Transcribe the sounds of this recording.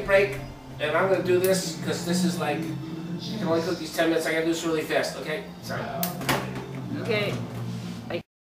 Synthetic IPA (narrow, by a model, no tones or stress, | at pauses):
pʰɹ̥eɪk | ɨ̃nãɪ̃mɡʌnədɨðɪskʰʌzðɪsɨzlaɪkʃɨkʰɨ̃nõʊ̃nlikʰʊk̚ðiz̥tʰɛ̃nmɪ̃nɨtsaɪɡʌ̃dɨɪsɹɪlˠifæstoʊkʰeɪ | sã | oʊkeɪ | aɪ